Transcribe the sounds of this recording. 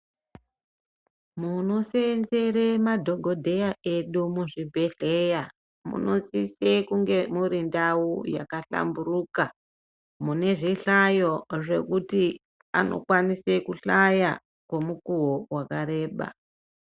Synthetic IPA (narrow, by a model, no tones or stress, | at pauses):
muno̞senze̞remadʱo̞ɡʱo̞dʱe̞jaʔe̞ɗumuʐibʱe̞ɬe̞ja | mṵno̞sisekuŋɡe̞muɾindauja̰kaɬa̰mburuka | mune̞ʐiɬajo̞ʐe̞̰kuti | a̰no̞̰kwanise̞kuɬaja | kwe̞mukuwowakaɾe̞ːɓa̰